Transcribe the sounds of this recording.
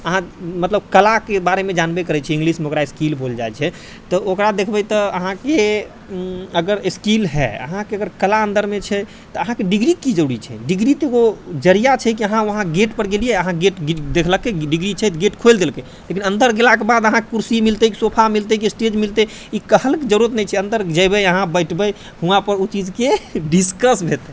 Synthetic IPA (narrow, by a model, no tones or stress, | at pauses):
əɦãmət̪ləb̚kəlakebaɾemed͡ʒanbekəɾɛt͡ʃʰɛĩŋɡlismeokɾaeskilbʱold͡ʒajt͡ʃʰɛ | t̪ɔokɾad̪ekʰbɛt̪ɔəɦãke | əɡəɾskilɦɛ̰ə̰ɦãkeəɡəɾkəlaənd̪əɾmet͡ʃʰɛ | t̪ɔəɦãkeɖiɡɾikid͡ʒəɽit͡ʃʰɛ̰ɖiɡɾit̪eɡod͡ʒəɾijat͡ʃʰɛkiəɦãəɦãɡeʈpəɾɡelijeəɦãɡeʈɡd̪ekʰləkːeɖiɡɾit͡ʃʰɛt̪ɡeʈkʰojld̪elke | lekinənd̪əɾɡelakebad̪əɦãkekuɾsimilt̪əkisopʰamilt̪əkisʈed͡ʒmilt̪ɛ | ikəhəlked͡ʒəɾuət̪nɛjt͡ʃʰɛənd̪əɾd͡ʒəjbəjəɦãbəɪʈʰbɛj | hũãpəɾut͡ʃid͡ʒkeɖiskəsbʱet̪ɛ